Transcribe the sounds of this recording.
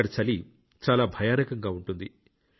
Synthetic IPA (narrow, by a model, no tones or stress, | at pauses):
ɐɽɐt͡ʃɐli | t͡ʃaːlaːbʱɐjaːnɐkɐŋɡaːuɳʈund̪i